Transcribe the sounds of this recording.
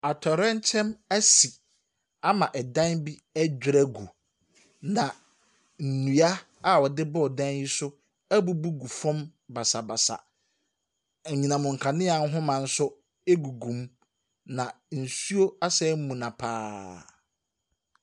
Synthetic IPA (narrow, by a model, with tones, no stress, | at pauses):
a˨tʰɔ˨ɾɛ̃˦n˦t͡ɕʰɛ̃˦mæ˦si˨ | a˦mã˨ʔɛ˨dã˦nbi˦æ˦d͡ʑᶣɪ˦ɾɛ˦ɡu˨ | nã˨ | n̩˨nũ˨a˦ | a˦˨wɔ˨dɪ˦bɔ˦˨dã˦nji˦sʊ˦ | æ˦bu˦bu˦ɡu˨fɔ̃˦mba˨sa˨ba˨sa̰˨ | ɲĩ˨nã˨mʊ̃˨ŋ̩˨kʰa˨nɪ̃˦a˨n̩˦ɦʊ̃˦mã˨n̩˦sʊ˦ | e˦ɡu˨ɡũ˨m | nã˨ | n̩˨su˦o˦a˦sɛ˦m˦mũ˨nã˨pʰaː˦